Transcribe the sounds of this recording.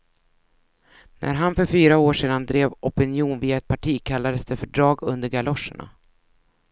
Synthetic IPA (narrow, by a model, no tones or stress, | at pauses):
nʔæ̰ɾɦanfœɾfyːɾaoːʂeːd̪and̪ɾeːvʔɔpɪnjuːnviːaɛt̪̚pʰaʈʰiːkʰalːad̪əsd̪ɛfœɖɾɑːɡɵnd̪əɾɡalɔʂə̰ɳa̰